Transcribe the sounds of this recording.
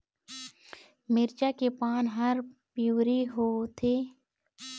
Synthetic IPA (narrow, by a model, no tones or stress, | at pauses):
mɪɾt͡ʃakepaːnɦɐɾpjuːɾiɦoːt̪ʰeː